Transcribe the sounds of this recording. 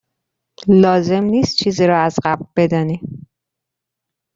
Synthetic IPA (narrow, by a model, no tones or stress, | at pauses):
lɒːze̞mniːst̪̚t͡ʃʰiːziːɾɒːæzɢæbɾbe̞d̪ɒːni